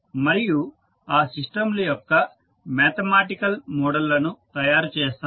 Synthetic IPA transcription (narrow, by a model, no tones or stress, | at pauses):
mɐɾiju | aːsiʂʈɐmlujɔkːɐ | meːt̪ɐmaːʈikɐlmɔːɽɐlːɐnut̪ɐjaːɾut͡ʃɛːst̪a